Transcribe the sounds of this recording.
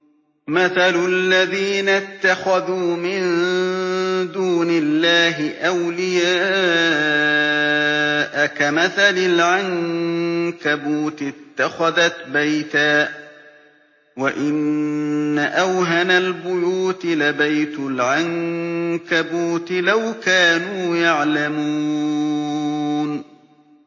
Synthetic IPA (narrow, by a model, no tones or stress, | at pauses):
maθalʊlːaðiːnat̪ːaxaðuːmɪn | d̪uːnɪlːaːɦɪʔawlɪjaː | ʔakamaθalɪlʕaŋ | kabuːt̪ɪt̪ːaxaðat̪bajt̪aː | waʔɪnː | aʔawɦanalbʊjuːt̪ɪlabajt̪ʊlʕaŋkabuːt̪ɪlawkaːnuːjaʕlamuː | n